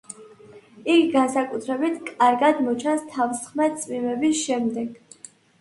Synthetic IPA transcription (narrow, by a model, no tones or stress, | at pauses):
ikɡansakʼut̪ʰɾɛbit̪ʰkʼaɾɡad̪mɔt͡ʃʰanst̪ʰavsχmɛt̪t̪sʼmimɛbisʃɛmd̪ɛɡ̥